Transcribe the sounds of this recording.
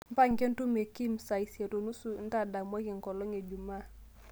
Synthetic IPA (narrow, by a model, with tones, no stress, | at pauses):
m̩˦pa˦ŋke˦n˦tu˦me˨ki˦msa˨i˨se˨to˨nu˦su˦˨n̩˦ta˦da˨mwa˦ki˨ŋkɔ˨lɔ˦ŋe˨d͡ʒu˨ma˦˨